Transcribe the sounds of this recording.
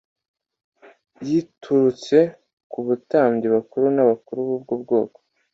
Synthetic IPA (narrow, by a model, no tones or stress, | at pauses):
jitʰuɾut͡se̞ | kuβutaːɲɟiβakuɾunaβakuɾuβub̚ɡuːb̚ɡo̞ːko̥